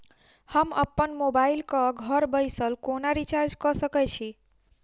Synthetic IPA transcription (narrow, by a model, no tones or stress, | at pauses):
həməpːənmobailkəɡʱəɾbəjsəlkonaɾit͡ʃaɾd͡ʒkəsəkɛt͡ʃʰi